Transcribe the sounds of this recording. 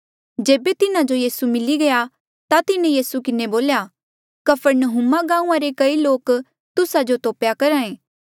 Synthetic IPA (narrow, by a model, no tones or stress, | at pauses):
d͡ʒeːbet̪ɪnad͡ʒojiːsumɪliɡɐja | t̪at̪ɪnẽjiːsukɪneboːlja | kɐpʰəɾnəɦʊmaɡãːũãɾekɐiloːk | t̪ʊsad͡ʒot̪oːpjakɐɾaːẽː